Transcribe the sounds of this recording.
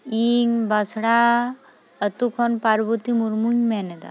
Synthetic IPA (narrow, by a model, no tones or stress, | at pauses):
iŋbasɽa | ət̪ukʰɔnpaɾbut̪imuɾmuɲmened̪a̰